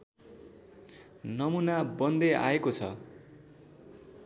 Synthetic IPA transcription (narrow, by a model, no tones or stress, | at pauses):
nʌmunabʌnd̪ea̰ekot͡sʰʌ̰